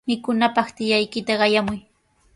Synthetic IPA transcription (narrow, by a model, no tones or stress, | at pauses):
mɪkʊnapɑχt̪ɪjajkɪt̪aɢɑjamʊj